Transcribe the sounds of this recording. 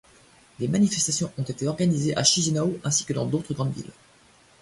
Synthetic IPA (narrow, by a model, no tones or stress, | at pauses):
lemanifɛst̪asjɔ̃ʔɔ̃t̪et̪eɔʁɡanizeʔaʃizenaoʔɛ̃si̥kəd̪ɑ̰̃d̪ot̪χəɡʁɑ̃d̪vḭl